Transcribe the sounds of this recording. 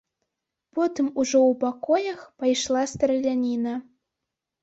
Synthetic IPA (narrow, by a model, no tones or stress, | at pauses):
pɔt̪ɨmuʐɔupakɔjɐxpajʃlˠast̪relʲanʲina